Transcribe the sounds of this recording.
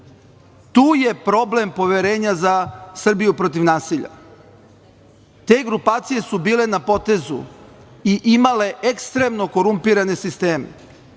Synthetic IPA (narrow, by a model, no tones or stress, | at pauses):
t̪uːje̞pɾo̞ble̞mpo̞ʋe̞ɾe̞ːɲazasr̩bijupɾot̪̬iʋnaːsiʎa̰ | t̪e̞ːɡɾupaːt̪sije̞subiːle̞napo̞t̪e̞zṵ | iʔimale̞ʔekst̪ɾe̞mno̞ko̞ɾumpiɾane̞sist̪e̞ːmḛ